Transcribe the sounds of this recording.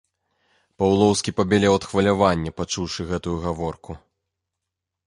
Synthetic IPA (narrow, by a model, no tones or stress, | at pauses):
pawlˠɔwskʲipɐbʲɛlʲɛwɐt̪xvɐlʲavanʲːɛpat͡ʂuwʂɨɣɛt̪ujuɣavɔrku